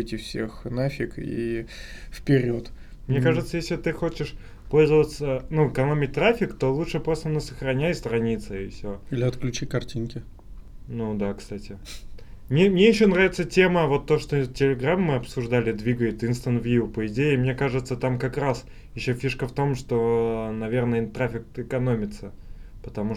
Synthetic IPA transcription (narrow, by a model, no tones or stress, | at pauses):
ɛtʲɪfsʲḛxnafʲɪkḭ | fpʲɪɾʲot̪ | mnʲekaʐɨt̪səjesʲlʲɪt̪ɨxot͡ɕɪʂ | po̞lʲzəvət̪sənuɪkɐno̞mʲɪt̚ʲt̪ɾafʲɪkt̪o̞lˠuʂɨpɾo̞st̪ənəsəxɾɐnʲæjst̪ɾɐnʲit̪səɪfsʲoilʲɪɐt̪klʲʉt͡ɕikɐrtʲinkʲɪ | nud̪akst̪atʲɪ | mnʲemnʲejɪɕːonɾavʲɪt̪sətʲe̞məvo̞t̪ːo̞ʂt̪otʲɪlʲɪɡɾamːɨɐpsʊʐd̪alʲɪd̪vʲiɡəjɪt̪inst̪ənt̪vʲjupəɪdʲeɪmnʲe̞kaʐɨt̪sət̪amkɐkras | jɪɕːofʲiʂkəft̪o̞mʂt̪o̞nɐvʲernəjt̪ɾafʲɪk̪̚ɪkɐno̞mʲɪt̪səpət̪ɐmu